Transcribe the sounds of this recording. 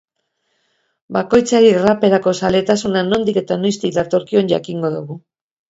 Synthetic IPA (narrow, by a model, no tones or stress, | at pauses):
bako̞jt͡saɾirape̞ɾako̞sale̞t̪asunano̞nd̪ike̞t̪ano̞jst̪ikd̪at̪o̞ɾkio̞nʝa̰kiŋɡo̞ðuɣu